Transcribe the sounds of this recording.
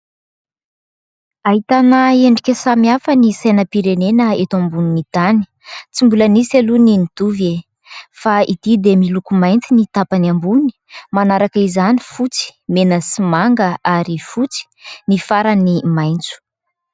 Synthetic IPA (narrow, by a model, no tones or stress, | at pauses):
aɦit̪anaeɳɖ͡ʐikʲəsamiafanisajnəpiɾenenəet̪ambuninit̪ani̥ | t͡simbulənisaluninid̪uve | faid̪̥id̪emilukumajnt͡sinit̪apanambuni̥manaɾakəizanifut͡si̥menəsimaŋɡəaɾifut͡si̥nifaɾanimajnt͡su̥